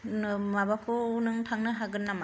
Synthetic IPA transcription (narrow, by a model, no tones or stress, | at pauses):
nɯmabakʰuunɯŋtʰaŋnɯɦaɡɯnːama